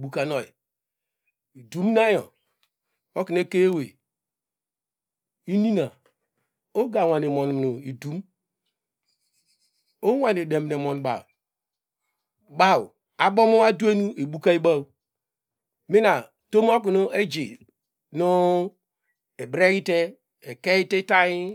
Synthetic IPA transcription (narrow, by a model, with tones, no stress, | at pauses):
ɓu˨ka˨no˨ḭ˨ | i˨du˨˦m˦na˦jo̰˨ | o˦ki˨n˦e˦ke˦e˦we˨ | i˦ni˦na˨ | o˦ɡa˨wa˨n˨e˨mo˨n˨m˨nu˨i˨du˨˦m | o˦wʷa˨ne˨de˨m˨ne˨mɔ˨n˨ɓa̰˨w | ɓa˦˨w | a˨ɓo˦mo˦a˦du˦e˦nu˦e˨ɓu˦ka˦i˦ɓa˦w | mi˦na˨ | to˦m˦o˦k̬i˨no˦e˦d͡ʒi˨ | nu˦ | e˨bɾe˦ɣi˦te˦ | e˨ke˦ji˦te˦ta˦ji˦